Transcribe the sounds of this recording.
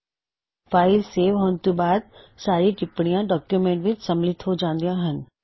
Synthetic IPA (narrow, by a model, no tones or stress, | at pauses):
faːɪlseːʋɦoːnt̪ibaːd̪̚saːɾiʈɪpɽ̃ijãɖɔːkjumẽːɳʈʋɪt͡ɕsɐmlɪt̪ʰod͡ʑãːnd̪ijãɦənɪ̆